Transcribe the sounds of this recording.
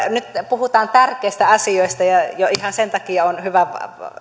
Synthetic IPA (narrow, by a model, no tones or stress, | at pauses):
nyt̪puhut̪ɑːnt̪ærkˑeˑist̪æɑsioist̪ɑjɑjoihɑnsent̪ɑkiɑonhyʋæʋ